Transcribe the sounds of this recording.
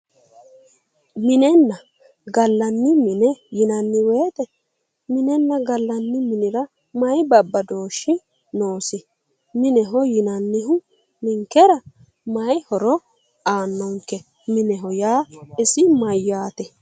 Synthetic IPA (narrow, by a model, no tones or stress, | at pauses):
mɪnɛnːɐ | ɡɐlːɐnːɪmɪnɛjɪnɐnːɪweːt̪ɛ | mɪnɛnːɐɡɐlːɐnːɪmɪnɪɾɐ | mɐjbɐbːɐd̪o̞ːʃːɪ | noːsɪ | mɪnɛɦɔjɪnɐnːɪɦʊ | mɪŋkɛɾɐ | mɐjhɔɾɔ | aːnːɔŋkːɛ | mɪnɛɦɔjaːɪsɪmɐjːaːt̪ɛ